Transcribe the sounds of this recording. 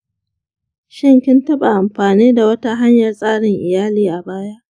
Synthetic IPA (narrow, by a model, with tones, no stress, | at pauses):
ʃɪ˦ŋkʲɪ˦ntɐ˦ba˨ʔa˨mɸaː˨niː˦da˨wɐ˦ta˦ɦa˦ɲjɐ˨rsʼaː˦ɽɪ˨ŋʔɪ˨jaː˦liː˨ʔa˨baː˦ja˦ʔ